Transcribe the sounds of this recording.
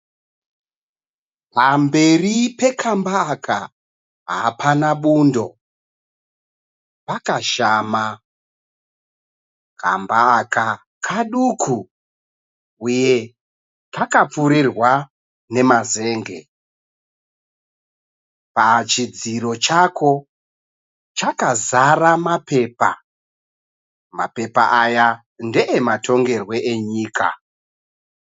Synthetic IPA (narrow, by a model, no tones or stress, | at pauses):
pambe̞ripe̞kʰambaːkʰa | ɦa̰pʰanaɓuːndo̞ | pakaʃama | kʰa̰mbaːka | kʰaɗukʰu | uje̞ | takap͡fuɾirwa | ne̞maze̞ːŋɡe̞̰ | pat͡ʃid͡ziro̞t͡ʃako̞ | t͡ʃakazaramape̞pa̰ | ma̰pe̞pa̰ʔaja | nde̞ʔematʰo̞ŋɡe̞rwe̞ʔeɲiːkʰa̰